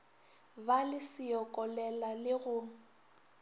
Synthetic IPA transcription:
balɪsɪjɔkʼɔlɛlalɪɣʊ

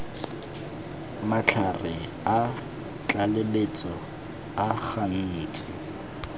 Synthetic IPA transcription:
mat͡ɬʰarɪ | a | t͡ɬalelet͡sʼɔ | aχan̩ːt͡sʼɪ

